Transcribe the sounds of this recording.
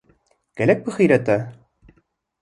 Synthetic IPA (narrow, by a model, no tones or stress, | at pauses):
kælæk̚bɘχĭjɾæt̪æ